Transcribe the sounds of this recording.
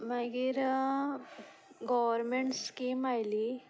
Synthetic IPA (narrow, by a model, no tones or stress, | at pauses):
maɡiɾ | ɡɔʋəɾmeɳʈskiːmajli